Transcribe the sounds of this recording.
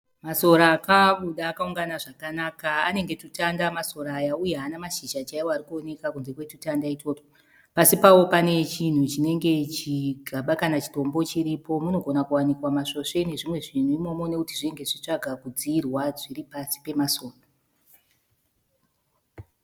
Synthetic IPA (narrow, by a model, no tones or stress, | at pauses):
maso̞ɾaːkaɓuɗaːkauŋɡanaʐakanakaane̞ŋɡe̞tutandamaso̞ɾaːjaujeanamaʃid͡ʒat͡ʃaiwoaɾikuo̞ne̞kakunze̞kwe̞tutandaitoto | pasipawo̞pane̞t͡ʃin̤ut͡ʃine̞ŋɡe̞t͡ʃiɡʱaɓakanat͡ʃi̥to̞mbo̞t͡ʃiɾipo̞muno̞ɡʱo̞nakuwanikwamaʂo̞ʂe̞ne̞ʐimwe̞ʐin̤uimo̞mo̞ne̞kutiʐine̞ŋɡe̞ʐit͡ʂaɡʱakud͡ziːrwaʐiripasi̥pe̞maso̞ːra